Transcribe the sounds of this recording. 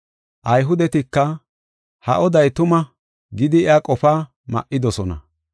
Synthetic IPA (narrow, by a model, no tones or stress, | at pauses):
ʔɐjɦʊd̪ɛt̪ɪkːɐ | hɐ̰ʔɔd̪ɐjt̪ʊmɐ | ɡɪd̪ɪːakʼɔpaː | mɐ̰ʔːɪd̪ɔsɔnɐ̰